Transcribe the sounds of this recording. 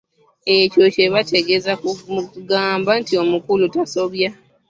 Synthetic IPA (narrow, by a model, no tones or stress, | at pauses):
e̞co̞ce̞βate̞ɡe̞zakɡaːmbantio̞mukulutaso̞βja